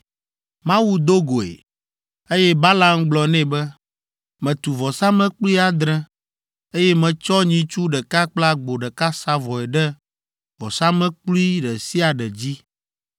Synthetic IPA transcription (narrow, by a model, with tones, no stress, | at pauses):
mã˦wu˦d̪o˦ɡo˨ḛ˨ | e˦jɛ˦ba˦la˦mɡ͡blɔ˨nɛ̃˦bɛ˦ | mɛ̃˨t̪u˨vɔ˨sa˦mɛ̃˦k͡pli˦a˨d̪ɾɛ̃˦ | e˦jɛ˦mɛ̃˨t͡ʃɔ˦ɲĩ˨t͡ʃu˦ɖɛ˨ka˦k͡pla˦ɡ͡bo˨ɖɛ˨ka˦sa˦vɔ˨ɛ˨ɖɛ˦ | vɔ̰˨sa˦mɛ̃˦k͡plu˦i˦ɖɛ˨si˦a˨ɖɛ˨d͡ʑi˦